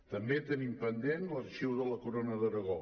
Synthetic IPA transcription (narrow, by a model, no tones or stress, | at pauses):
t̪əmbet̪ənimpənd̪enlərʃiwðələkuɾonəðəɾəɣo